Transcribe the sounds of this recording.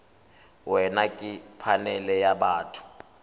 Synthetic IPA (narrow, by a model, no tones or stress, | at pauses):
wɛnakʼɪpʰanɛlɛjabaːtʰu̥